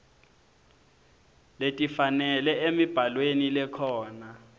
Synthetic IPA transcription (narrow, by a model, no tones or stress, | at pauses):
letʼifanɛlɛemib̥ʱalwenilɛkʰɔːna